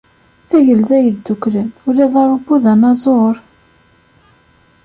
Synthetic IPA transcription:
θæʝəlðæjəd̪ːuklənʊɾiðˤɑɾˤobːuðænɑzˤoɾˤ

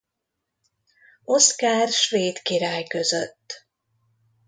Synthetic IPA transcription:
o̞skaːrʃveːt̪kiɾaːjkøzøt̪ː

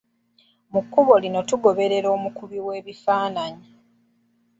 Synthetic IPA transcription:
mukːuβo̞lino̞tuɡo̞βe̞ɾe̞ɾo̞ːmukuβiwe̞ːβifaːnaɲi

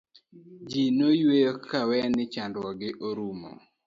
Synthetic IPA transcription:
d͡ʒinojwejokʰawɛnɪt͡ʃandwɔɡɪʔoɾumo̰

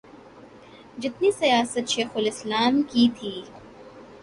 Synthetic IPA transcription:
d͡ʒɪt̪nisɐjaːsət̪ʃeːxʊlɪslaːmkit̪ʰiː

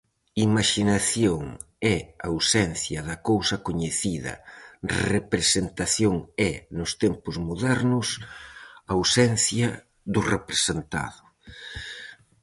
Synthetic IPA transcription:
imaʃinaθjoŋ | ɛawsɛnθjɐðɐkowsɐkoɲeθiðɐ̰repɾesent̪aθjoŋɛnʊst̪ɛmpʊzmuðɛɾnʊs | awsɛnθjɐ | ðʊrepɾesent̪a̰ðʊ

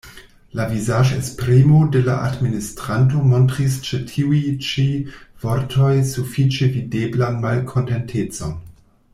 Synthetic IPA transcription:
lavizaʒḛspɾimode̞la̰ʔa̰dministɾanto̞mo̞ntʁist͡ʃetʰiujt͡ʃiv̥o̞ɾtʰo̞jsufit͡ʃevideblanmalkʰo̞nte̞ntʰet͡so̞n

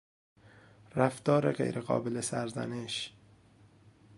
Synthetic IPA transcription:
ræft̪ɒːɾeɣḛjɾʔeɢɒ̰ːbelesæɾzæ̰neʃ

